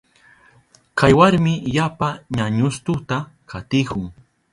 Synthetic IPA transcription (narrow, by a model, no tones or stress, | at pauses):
kʰajwaɾmɪjapaɲaɲʊst̪ʊt̪akʰat̪ɪkʊŋ